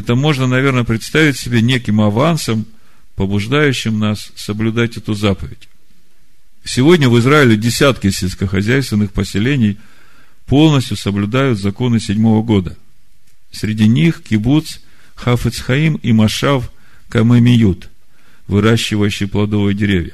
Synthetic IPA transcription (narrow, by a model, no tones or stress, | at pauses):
ɛt̪əmo̞ʐnənɐvʲe̞rnəpɾʲɪt̪st̪avʲɪtʲsʲɪbʲenʲekʲɪmɐvansəm | pəbʊʐd̪ajʉɕːɪmnasːəblʲʉd̪atʲɛt̪ʊzapəvʲɪtʲ | sʲɪvo̞dʲnʲəvɨzɾaɪlʲɪdʲɪsʲat̪kʲɪsʲɪlʲskəxɐzʲæjst̪vʲɪnːɨxpəsʲɪlʲenʲɪj | po̞lˠnəsʲtʲjʊsəblʲʉd̪ajʊt̪zɐko̞nɨsʲɪdʲmo̞vəɡo̞d̪ə | sʲɾʲɪdʲinʲixkʲɪbut̪s | xafɨt̪sxɐimimɐʂaf | kɐmɨmʲɪjut̪ | vɨɾaɕːɪvəjʉɕːɪjplˠɐd̪o̞vəjdʲɪɾʲevʲjə̰